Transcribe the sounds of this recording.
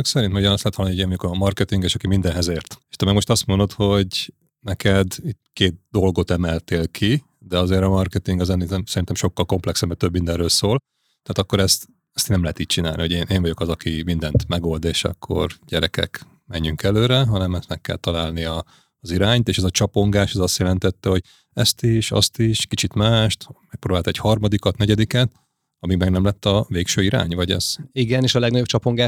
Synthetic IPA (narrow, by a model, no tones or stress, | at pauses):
ksɛɾint̪ɛmuɟɒnɒst̪lɛt̪ɒlːnioeːvɒjokɒmɒrkɛt̪iŋɡeːʃɒkimind̪ɛnɦɛzeːrt̪eʃt̪ɛmɛɡmo̞ʃt̪ɒst̪mond̪o̞t̪ho̞ɟ | nɛkɛd̪it̪keːt̪̚d̪o̞lɡo̞t̪ɛmɛlt̪eːlkʰi | d̪ɛɒzeːɾɒmɒrkɛt̪iŋɡɒzɛnːiɛmsɛɾint̪ɛmʃo̞kːɒlko̞mplɛksɛbmɛt̪øbmind̪ɛnrøːlsoːl | t̪ɛaːt̪ɒkːo̞ɾɛst̪ | ɛst̪nɛmlɛɦɛt̪iːc̚t͡ʃina̰ːlniho̞ɟeːnʔeːɱvɒɟo̞kɒzɒkimind̪ɛnt̪mɛɡo̞ld̪eːʃɒ̰kʰːo̞̰rɟɛɾɛ̰kɛ̰k | mɛɲːyŋkɛløːɾɛɦɒnɛmɛst̪mɛkːɛ̰lt̪ɒlaːlniɒː | ziɾaːɲt̪eːʃɛzɒt͡ʃɒpo̞ŋɡaːʃɛzɒst̪jɛlɛnt̪ɛt̪ːɛho̞ɟ | ɛst̪iʃɒ̰st̪iʃkit͡ʃit̪maːʃt̪mɛk̚prɾoːbaːlt̪ɔɛchɒrmɒd̪ikɒt̪nɛɟɛd̪ikɛt̪ | ɒmimɛɡnɛmlɛt̪ːɒveːkʃøːiɾa̰ːɲvɒɟɛ̰z̥iɡɛneːʃɒlɛɡnɒɟopt͡ʃɒpoŋɡaːʃ